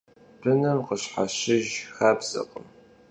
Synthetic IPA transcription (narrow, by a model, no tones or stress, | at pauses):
b̥ɨnɐmqəɕħaɕɪʒxaːbz̥ɐ̰qʼə̰m